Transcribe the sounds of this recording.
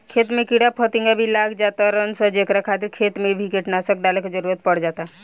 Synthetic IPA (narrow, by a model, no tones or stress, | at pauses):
kʰeːt̪mẽkiɽapʰɔt̪ɪ̃ŋɡabʱilaːɡd͡ʒaːt̪aɾənsəd͡ʒekɾakʰaːt̪ɪɾkʰeːt̪mẽbʱikeʈnasək̚ɖaːleked͡ʒəɾuːɾət̪̚pəɽd͡ʒaːt̪aɦ